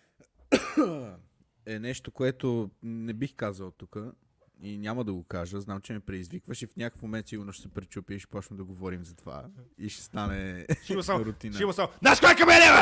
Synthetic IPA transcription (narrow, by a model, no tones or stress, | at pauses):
ɛnɛʃt̪okoɛt̪onɛbixkazəlˠt̪ukə | inʲaməd̪ɐɡokaʒəznamt͡ʃɛmɛpɾɛd̪izvikvəʃifnʲakəfmomɛnt̪siɡonoʃsɛpɾɛt͡ʃupiəʃɛ̥pɔt͡ʃnəd̪ɐɡovɔɾimzɐt̪ova̰ | iʃɛ̥st̪anɛʃmɐsaɾʊt̪inəimɐsãwnaʃkakɐmɛlɛɐ